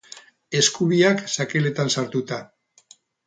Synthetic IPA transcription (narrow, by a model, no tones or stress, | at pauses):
e̞skuβiaksake̞le̞t̪ansaɾt̪ut̪a